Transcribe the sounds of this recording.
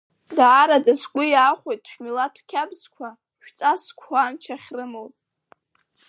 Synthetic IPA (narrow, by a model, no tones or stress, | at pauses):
daːɾad͡zaskʷʼʊjaːχʷojtʼʃᶣmilatʰwkʲʰabzkʷʰa | ʃᶣt͡sʼaskʷʰaːmt͡ʃʰaχʲrɨmowʼ